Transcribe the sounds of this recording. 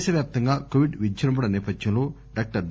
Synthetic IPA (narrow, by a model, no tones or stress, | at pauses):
ʃɐʋjaːp̚t̪ɐŋɡaːkoːʋiɖʋid͡ʒd͡ʒɐɾɐmp̬ɐɽɐnɛːpɐd̪jɐmlo̞ː | ɖaːk̚ʈɐɾ